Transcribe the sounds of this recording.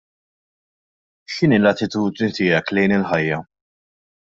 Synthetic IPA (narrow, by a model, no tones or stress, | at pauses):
ʃɪniːlɐt̪ɪt̪uːd̪nit̪ɪːɛklɛjnɪlħɐjːɐ